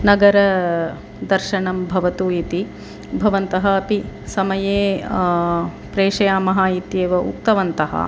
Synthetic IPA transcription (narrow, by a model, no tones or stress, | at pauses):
nɐɡɐɾɐ | d̪ɐɾʃɐɳɐmbʱɐʋɐt̪uit̪i | bʱɐʋɐnt̪ɐɦɐːpisɐmɐjeː | pɾeːʂɐjaːmɐɦaːit̪jeːʋɐṵk̚t̪ɐʋɐnt̪ɐɦɐ̰